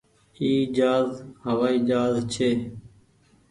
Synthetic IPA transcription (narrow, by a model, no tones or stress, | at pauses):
iːd͡ʒaːzɦəʋaːiːd͡ʒaːzt͡ʃʰeː